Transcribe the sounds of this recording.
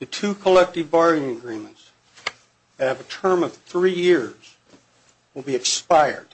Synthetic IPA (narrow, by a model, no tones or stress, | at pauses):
ðɨtʰʉkʰəlɛk̚tɨvbɑɹɪ̃ŋɨɡɹĩmɨ̃n̩ts | ðɨt̚hɨvɨtʰɜ̃˞mʌv̥θɹijɪɹz̥ | wəlˠbiɨkspaɪə̰˞d̥̚